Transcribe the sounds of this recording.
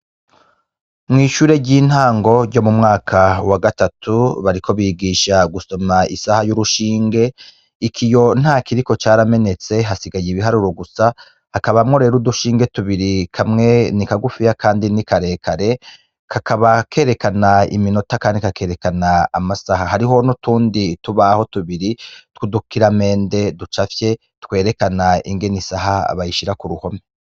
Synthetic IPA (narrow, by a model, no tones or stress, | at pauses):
mŋiːʃuːɾe̞ɟiːn̥haːŋɡo̞ɟɟo̞mumŋaːkʰawaɡatatʰuβaɾikʰo̞βiːɡiːʃaɡuso̞maḭsahajuɾuʃiːŋɡe̞ | ikʰijo̞n̥haːkiɾiko̞t͡ʃaːɾame̞ne̞t͡se̞ɦasiɡajiβiɦaɾuɾoɡusa | akaβamŋo̞ɾe̞ːɾuduʃiːŋɡe̞tuβiɾikʰamŋe̞nikaɡufijakʰaːndinikaɾe̞ːkʰaɾe̞ | kʰakaβakʰe̞ːɾe̞kanaḭmino̞takaːndikake̞ːɾe̞kanaːmasaɦaɦaɾiɦo̞notuːndituβaho̞tuβiɾitkudukiɾame̞ːnde̞dut͡ʃafje̞ | tkwe̞ːɾe̞kanaḭŋɡe̞nisaɦaa̰βajiʃiɾakuɾuho̞me